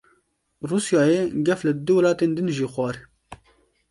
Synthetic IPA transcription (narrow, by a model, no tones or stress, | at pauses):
ruːsjɑːjeːɡɛflɨd̪ɨwɐlɑːt̪eːnd̪ɨnʒiːxwɑːɾ